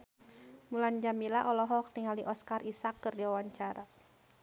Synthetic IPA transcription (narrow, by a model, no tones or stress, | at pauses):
muland͡ʒamilaʔɔlɔɦɔk̚t̪iŋaliʔɔskarisakːərdiwawaɲt͡ʃaɾa